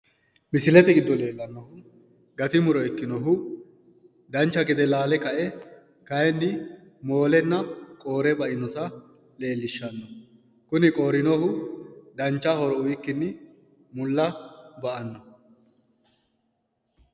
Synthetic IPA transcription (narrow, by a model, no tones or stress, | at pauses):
mɪsɪlɛt̪ɛɡɪd̪ːɔle̞ːlːɐnːɔhʊ | ɡɐt̪ɪmʊɾɔɛkːɪnɔɦʊ | d̪ɐnt͡ʃːɐkɪd̪ɛlaːlɛkɐʔɛ | kɐjɛnːɪ | mo̞ːlɛnːɐkʼo̞ːɾɛbɐʔɪnɔt̪ɐ | le̞ːlːɪʃːɐnːɔ | kʊnɪkʼɔːɾɪnɔhʊd̪ɐnt͡ʃːɐhɔɾɔʊjɪkːɪnːɪ | mʊlːɐbɐʔɐnːɔ